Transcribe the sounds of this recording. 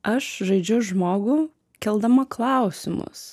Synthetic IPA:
ɐʃʒɐɪd͡ʒʲʊʒmoːɡʊ | kʲɛlˠd̪ɐmɐklˠɑˑʊsʲɪmʊ̰s

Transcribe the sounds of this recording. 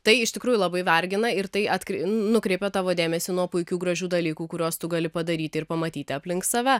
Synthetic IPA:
t̪ɐɪɪʃt̪ʲɪkɾuːjulˠɐbɐɪʋʲɐɾʲɡʲɪnɐɪɾt̪ɐɪɐt̪ʲkʲnʊkɾʲɛɪpʲɛt̪ɑːʋoːd̪ʲeːmʲɛsʲɪnuɔpʊɪkʲuːɡɾɐʒʲuːd̪ɐlʲiːkuːkʊɾʲoːst̪ʊɡɐlʲɪpɐd̪ɐɾʲiːt̪ʲɪɪɾpɐmɐt̪ʲiːt̪ʲɪɐpʲlʲɪŋkssɐʋʲɛ

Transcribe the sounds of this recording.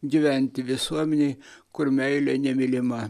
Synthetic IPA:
ɡʲiʋʲænʲt̪ʲɪʋʲɪsuɔmʲɛnʲɛɪkʊɾmʲɛɪlʲɛnʲɛmʲɪlʲɪmɑ

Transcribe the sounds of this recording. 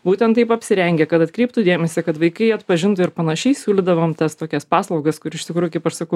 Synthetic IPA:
buːt̪ʲɛnt̪ːɐɪpɐpʲsʲɪɾʲɛŋʲɡʲɛkɐt̪ɐt̪ʲkɾʲɛɪp̚t̪uːd̪ʲeːmʲɛsʲɛkɐt̪ʋɐɪkɐɪɐt̪pɐʒʲɪnt̪ʊɪɾpɐnɐʃʲɛɪsʲuːlʲɪd̪ɐʋoːmt̪ɐst̪oːkʲɛspɑːslˠɐʊɡɐskʊɾʲɪʃt̪ʲɪkɾuːjʊkɐɪpɐʃsɐkɐʊ

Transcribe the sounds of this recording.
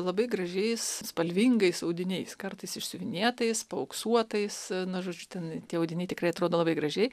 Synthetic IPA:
lˠɐbɐɪɡɾɐʒʲɛɪsspɐlʲʋʲiŋɡɐɪsɐʊd̪ʲɪnʲɛɪskɐrt̪ɐɪsɪʃʲsʲʊʋʲɪnʲeːt̪ɐɪspɐʊksuɔt̪ɐɪsnʊʒoːd͡ʒʲʊt̪ʲɛnt̪ʲiɛɐʊdʲɪnʲɛɪt̪ʲɪkrɐɪɐt̪ɾoːd̪oːlˠɐbɐɪɡrɐʒʲɛɪ

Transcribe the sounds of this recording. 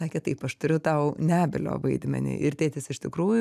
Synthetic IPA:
sɑːkʲeːt̪ɐɪpɐʃt̪ʊɾʲʊt̪ɐʊnʲæːbʲɪlʲo̰ːʋɐɪd̪ʲmʲɛ̰nʲḭːʔɪɾt̪ʲeːt̪ʲɪsɪʃt̪ʲɪkɾuːjʊ

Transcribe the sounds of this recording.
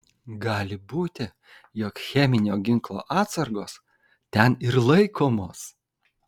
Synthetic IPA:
ɡɑːlʲɪbuːt̪ʲɪ | jɔkxʲɛmʲɪnʲoːɡʲɪŋklˠo̰ːʔɑːt̪sɐɾɡoːs | t̪ʲɛnɪɾlˠɐɪkʰoːmoːs

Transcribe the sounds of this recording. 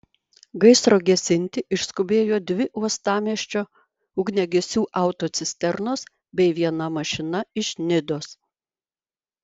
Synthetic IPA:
ɡɐɪsɾoːɡʲɛsʲɪnʲt̪ʲɪʔɪʃskʊbʲeːjoːd̪ʲʋʲɪʔuɔst̪ɑːmʲiɛʃʲt͡ʃʲoː | ʊɡnʲɛɡʲɛsʲuːʔɐʊt̪oːt̪sʲɪsʲt̪ʲɛɾnoːs | bʲɛɪʋʲiɛnɐmɐʃʲɪnɐɪʃʲnʲɪd̪oːs

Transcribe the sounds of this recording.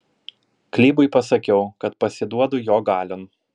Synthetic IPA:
klʲiːbʊɪpɐsɐkʲɛʊkɐt̪̚pɐsʲɪd̪uɔd̪ʊjoːɡɑːlʲon

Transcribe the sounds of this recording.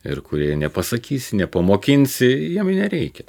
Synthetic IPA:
ɪ̰rkʊɾʲiɛnʲɛpɐsɐkʲiːsʲɪnʲɛpɐmoːkʲɪnʲsʲɪjiɛmɪnʲɛɾʲɛɪkʲɛ

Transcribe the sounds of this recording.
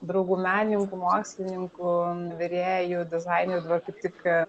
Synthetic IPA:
d̪ɾɐʊɡuːmʲæːnʲɪŋkʊmoːksʲlʲɪnʲɪŋkʊʋʲɛɾʲeːjʊd̪ʲɪzɐɪnʲeɾʲʊd̪ɐbɐrkɐɪp̚t̪ʲɪk

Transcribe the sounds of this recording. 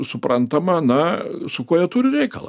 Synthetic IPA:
sʊprɐnt̪ɐmɐnɐsʊkuɔjɛt̪uːɾʲɪɾʲɛɪkɐlˠɐ̰

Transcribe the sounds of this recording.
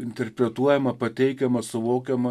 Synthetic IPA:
ɪnʲt̪ʲɛɾʲpʲɾʲɛt̪uɔjɛmɐpɐt̪ʲɛɪkʲɛmɐsʊʋoːkʲɛmɐ

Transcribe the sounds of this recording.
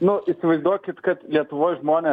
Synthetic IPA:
nʊisʲɪʋɐɪzd̪uɔkʲɪt̪kɐt̪lʲiɛt̪ʊʋoːjʒmoːnʲeː

